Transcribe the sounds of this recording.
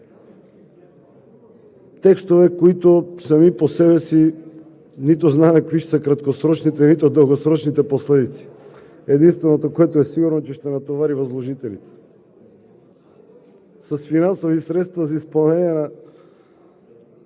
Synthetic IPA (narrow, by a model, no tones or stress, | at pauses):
t̪ɛkst̪ovɛkoit̪osɐmiposɛbɛsi | nit̪oznamɛkviʃsəkɾat̪kosɾɔt͡ʃnit̪ɛnit̪od̪əlˠɡosɾɔt͡ʃnit̪ɛposlɛd̪it̪si̥ | ɛd̪inst̪vɛnot̪okoɛt̪oɛsiɡuɾnot͡ʃɛʃt̪ɛnat̪ovaɾivozlˠoʒit̪ɛlit̪ɛ̥ | sɐsfinansovisɾɛt̪st̪vazɐispɐlˠnɛnʲiɛna